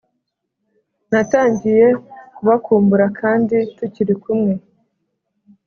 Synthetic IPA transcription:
nataːɲɟije̞kuβakuːmbuɾakʰaːndituciɾikumŋe̞

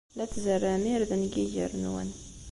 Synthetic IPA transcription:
læt͡sːzərːæmiɾðənɡiʝə̰ɾnwə̰n

